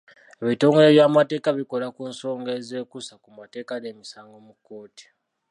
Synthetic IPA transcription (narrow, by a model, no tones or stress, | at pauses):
eβito̞ːŋɡeeβjaːmate̞ːkaβiko̞lakuːnso̞ːŋɡeze̞ːkusakumate̞ːkaneːmisaːŋɡo̞muko̞ːti̥